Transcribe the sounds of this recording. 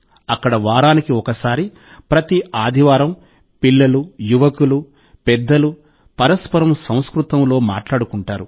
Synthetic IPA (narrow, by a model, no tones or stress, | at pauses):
ɐkːɐɽɐʋaːɾaːnikiɔkɐsaːɾi | pɾɐt̪iaːd̪ʱiʋaːɾɐm | pilːɐlujuʋɐkulu | pɛd̪ːɐlu | pɐɾɐspɐɾɐmsɐ̃w̃skɾut̪ɐmlo̞ːma̰ːʈlaːɽukuɳʈaːɾu